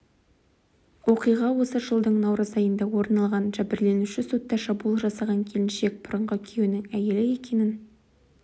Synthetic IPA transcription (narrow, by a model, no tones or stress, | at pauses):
wo̞qijʁɑwo̞səʒəlˠd̪əɴnɑwɾəzɑjənd̪ɑwo̞ɾnɑlˠʁɑnʒæbɪɾle̞nuʃɪso̞t̪ːɑʃɑbulˠʒɑsɑʁɑŋkʲʰe̞lɪnʃe̞k̚bʊɾəɴʁəʏkʲʰe̞wnɪŋæje̞lɪe̞kʲe̞nɪn